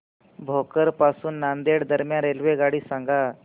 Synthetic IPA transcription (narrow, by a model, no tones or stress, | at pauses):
bʱokəɾpasuːnːand̪eɽd̪əɾmjãnɾelʋeɡaɽiːsãŋɡa